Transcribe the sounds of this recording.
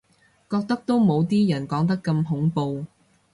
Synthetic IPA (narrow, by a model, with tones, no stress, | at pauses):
kɔː˧k̚t̪ɐ˥k̚t̪o˥wmo˨˧wt̪iː˥jɐ˨˩nkɔː˨˥ŋt̪̬ɐ˥kːɐ˧mɦʊ˨˥ŋpo˧w